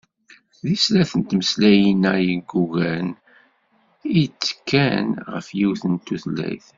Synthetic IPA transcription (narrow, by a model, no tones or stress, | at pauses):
θðislæθənt̪məslæjinæjiɡːuɣæn | it͡sːkːænʁə̰fjiwθənt̪ːuθlːæ̰jθ